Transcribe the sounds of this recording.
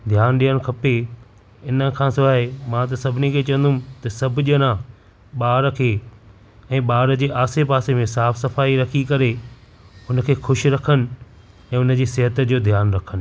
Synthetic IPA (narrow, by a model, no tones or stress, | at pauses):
d̪ʱjaːnɗiːəɽ̃kʰɐpe | ɪnəkʰãːsʊaːɦemãt̪̬ɐsɐbʱɪnikʰeːt͡ɕɐ̃ə̃n̆d̪ũmt̪ɐsɐbʱʊʄənã | ɓaːɾəkʰeː | ɛ̃ːɓaːɾəd͡ʑeːʔaːsepaːsemẽsaːfsɐfaːiɾɐkʰikɐɾe | ʊnə̆kʰeːxʊʃɾɐkʰənɪ̆ | ɛ̃ːʊnə̆d͡ʑeːsɪɦət̪d͡ʑoːd̪ʱjaːnɾɐkʰən̆